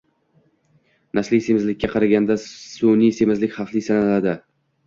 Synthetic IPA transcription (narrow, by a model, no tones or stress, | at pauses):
naslisemɪzlɪkʲːaqʰɑɾaɡʲand̪asunijsemɪzlɪkʲχɑqlˠisanalad̪ɪ